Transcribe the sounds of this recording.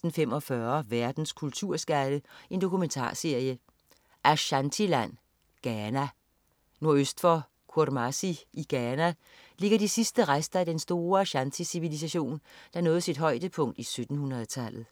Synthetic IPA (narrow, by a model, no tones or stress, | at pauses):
d̥n̩femɒ̽fɶɐʋæɐd̥n̩skʰult͡sʰuɐ̰sɡ̥æɾ̥əe̝nd̥o̝kʰument͡sʰɑ̰̈ːse̝ɐ̰jə | ʔæɕænt͡sʰilæn̰ | ɡ̥ænæ | no̝ɐøsd̥fɒ | kʰuɐ̰ɾ̥mɑsiʔiɡ̥æːnæ | le̝ɡ̥ɐd̥isisd̥əʁasd̥ɐæd̥ensd̥o̝ːɐæɕænt͡sʰisiʋilis̬æɕo̝̰ːnd̥ɑ̈nɔ̽ːð̩ˠsid̥ɦɒ̽ɪd̥əpʰɔ̽ŋ̰d̥isød̥n̩hunʁɐð̩ˠt͡sʰæl̰ð̩ˠ